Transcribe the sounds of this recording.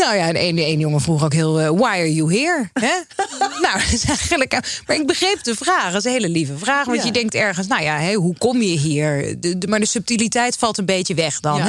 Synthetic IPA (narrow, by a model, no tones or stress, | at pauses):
nowjaɛnenenjoŋəvruχokɦɪːlˠʋajaɹjuɦiːɹɦɛnowtɪsɛjχənləkmaːɹɪɡ̚bəχrejp̚dəvraːχdɪs̬ənɦejləlivəvraːχʋɑntjədɛŋk̚tɛɹχəns̬nowjaɦɛɦukɔmjəɦiːɹəmaːɹdəsɵp̚tilitɛjtfɑlˠtənbejtjəʋɛχdɑn